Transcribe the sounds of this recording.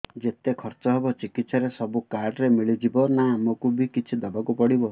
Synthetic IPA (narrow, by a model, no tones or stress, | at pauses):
d͡ʒet̪ekʰɔɾt͡ʃɔɦebɔt͡ʃikit̪sɔɾesɔbukaɾɖɾemiɭid͡ʒibɔnamokubikit͡ʃʰid̪ɔbakupɔɽibɔ